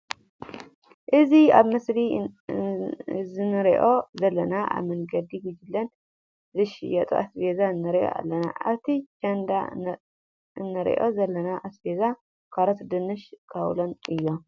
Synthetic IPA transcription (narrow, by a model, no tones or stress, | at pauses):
ʔɨziaβmɐsli | zɨnɨɾiʔo̞zɐlːɐnaʔa̰βmɐŋɡɐd̪iɡid͡ʒɨlːɐn | zɨʃɪ̰jɐt̪ʼṵʔasbezaɨnːɨɾiʔo̰ʔa̰lːɐna̰ʔa̰βt̪ʰit͡ʃʰɐnd̪a | ɨnːɨɾḭʔo̞̰zɐlːɐnaʔasbeza | kʰaɾot̪d̪ɨnɨʃkʰɐwlonɨjːo